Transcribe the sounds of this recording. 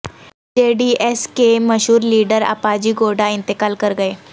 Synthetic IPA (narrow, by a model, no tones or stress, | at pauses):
d͡ʑeɖiːʔeskeməɕuːɾliːɖəɾa̰pad͡ʑiːɡoɽaint̪əkaːlkəɾɡəe